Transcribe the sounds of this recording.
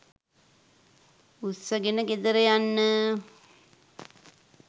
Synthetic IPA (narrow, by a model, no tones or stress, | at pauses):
usəɡenəɡed̪əɾejanːə